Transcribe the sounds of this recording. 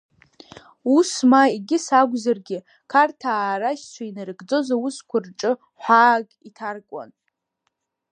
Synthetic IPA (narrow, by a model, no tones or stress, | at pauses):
usmaiɡʲɪsaɡʷzarɡʲɪ | kʰartʰaːɾaʃt͡ʃʷʰainɨrɡd͡zozawuskʷʰarʈ͡ʂʼɨ | ħʷaːkʼitʰarkʷʼa̰n